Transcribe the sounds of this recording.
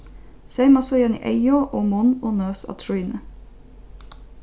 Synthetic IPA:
seɪmɑsɔjɛnḭʔæɪoːʔoːmɔnoːnøːsɑ̰t̪ʰɾʊiːnə

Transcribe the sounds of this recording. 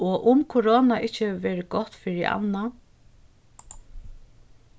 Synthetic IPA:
ɔʔʊmkʰʊɾoːnaʔɪht͡ɕːɪɛʋeːɾɪɡɔt̪fɪɹɪ̰ʔa̰nːa

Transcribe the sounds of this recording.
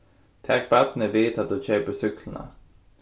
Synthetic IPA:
t̪ʰɛk̚bɛt̪nəʋeːt̪ʰɑt̪̚d̪uːc͡çœʏpəsʏkʰlən̩ə̰

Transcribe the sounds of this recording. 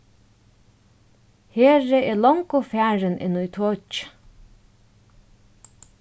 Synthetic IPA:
heːɹɪɛːlɔŋkʊfæːɹɪnʔɪ̰nːujt̪ʰɔt͡ʃ

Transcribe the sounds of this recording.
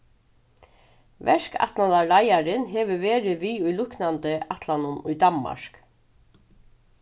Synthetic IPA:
vɛʂka̰t̪naðalajaɾɪnɦɛːʋəʋeːɾɪʋiːujlʊknant̪ɪat̪lanʊnʊ̰jd̪amma̰ɹk

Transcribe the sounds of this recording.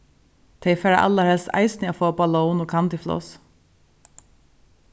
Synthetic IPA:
t̪ʰeɪfeːɾə̰ʔɑ̰ləɾhɛlst̪æ̰ɪsnɪoːfoːbɑloːnoːkʰɑnt̪ɪflɔ̰s

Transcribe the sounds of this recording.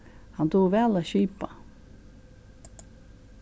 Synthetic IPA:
hɑnt̪ʰuːʋɛːlaːɕiːpa

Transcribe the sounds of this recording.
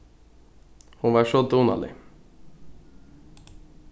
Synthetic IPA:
hʊnʋɑːʃod̪uːnɑ̰lɪ̰

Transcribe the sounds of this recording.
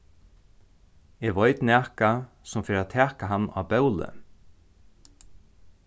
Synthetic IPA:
ɛʋɔjt̪næːhka | sʊmfeːɾat̪ʰɛːkaɦanːa̰ːpɛwlə̰

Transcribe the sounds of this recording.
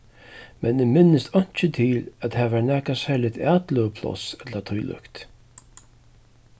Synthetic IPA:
mɛnɪmɪnːɪst̪ɔɲ̥t͡ʃɪt̪ʰiːlæt̪haːvɛnɛːkasɛlɪt̪ʰaːt̪lʏəpʰlɔ̰sɛt̪lat̪ʰʊjlʏ̰kt̪

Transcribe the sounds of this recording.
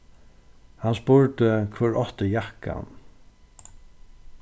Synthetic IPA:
hanspʊɹt̪əkʰvɛːɹɔht̪əjahka̰n

